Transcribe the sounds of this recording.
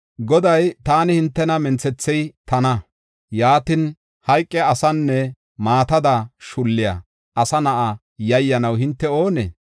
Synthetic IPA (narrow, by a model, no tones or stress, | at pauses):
ɡɔd̪ɐjt̪aːnɪhɪnt̪ːɛnɐmɛnt͡sɛt͡sːɛjt̪ɐnɐ | jaːt̪ɪn | hɐjkʼːɛɐsɐnːɛ | maːt̪ɐd̪ɐʃʊlːɪjɐ̰ | ʔɐsɐnɐʔa | jɐjːɐnɐwhɪnt̪ːɛo̞ːnḛː